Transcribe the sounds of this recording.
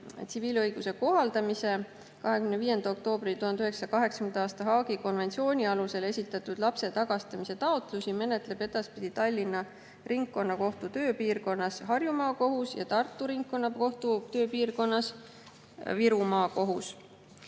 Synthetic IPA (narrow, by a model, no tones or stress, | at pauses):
t̪siviːlɤjɡ̥use̞ko̞ɦɑld̪̥ɑmise | kɑɦekymneviːje̞nd̪̥ɑo̞k̚t̪o̞ːb̥rit̪uhɑnd̪yɦe̞ksɑ̥ɑkɑɦe̞ksɑ̥kmnd̪ɑːst̪ɑɦɑːɡ̥iko̞nve̞nt̪sio̞ːnʲiɑluse̞le̞sʲit̪ːˑɑt̪ːˑud̪̥lɑpse̞t̪ɑɡ̥ɑst̪ɑmise̞t̪ɑot̪ˑlusʲime̞net̪ˑle̞b̥e̞d̪̥ɑspid̪̥it̪ɑlʲːinːɑ | riŋkːˑo̞nːɑko̞ht̪ut̪ø̞ːpiːrko̞nːɑsɦɑrjumɑːko̞ɦusjɑ̰t̪ɑrt̪ːˑuɾiŋkkːo̞nːɑko̞ht̪ut̪ø̞ːpiːrko̞nːɑs | viɾumɑːko̞ɦus